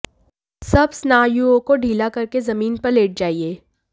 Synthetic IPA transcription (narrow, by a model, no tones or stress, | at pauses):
sɐbsnaːjuokoɖʱiːlakɐɾkezɐmiːnpɐɾleːʈ̚d͡ʒaːieː